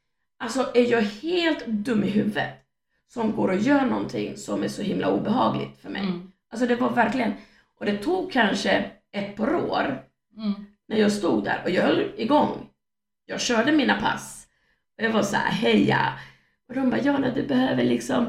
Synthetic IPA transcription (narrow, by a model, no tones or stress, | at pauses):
alsɔʔæɾjɑːɡheːlt̪d̪ɵmːɪɦʉ̟ːvət̪ | sɔmɡoːɾɔjœːɳɔnt̪ʰɪŋːsɔmæʂɔhɪmlʔa̰uːbɛɦɑːɡlɪ̰ɡt̪fœɾmɛ̰jjʔals̬ɔd̪ɛvaɾvæɾklɪɡən | ʔɔd̪ɛt̪ʰuːɡ̚kʰːanʂə | ɛt̪ːpʰɑːɾo̰ːɾ | næɾjɑːɡst̪uːɡ̪d̪æ̰ːɾʔɔjɑːɡhœlːɪɡɔŋː | jɑːɡɕœːɖəmiːnapʰa̰s | ɔjɑːvasa̰ɦɛjːa̰ | ʔɔd̪ɔmbɑjɑːnɛd̪ɵbɛɦøːvəɭɪksɔm